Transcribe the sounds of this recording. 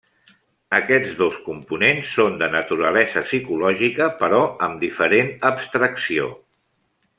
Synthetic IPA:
əkɛd͡zðoskumpunensːond̪ənət̪uɾəlɛzəsikulɔʒikəpəɾɔəmd̪ifəɾenəbst̪ɾəksio̰

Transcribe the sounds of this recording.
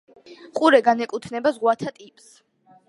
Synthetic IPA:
qʼuɾɛɡanɛkʼut̪ʰnɛbazʁwat̪ʰat̪ʼipʼs

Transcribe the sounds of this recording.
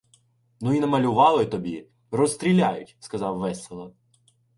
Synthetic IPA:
nuinɐmɐlʲʊʋɑlˠɪt̪ɔbʲi | rɔst̪ɾʲilʲajʊtʲskɐzɑwʋɛsʲelˠɐ

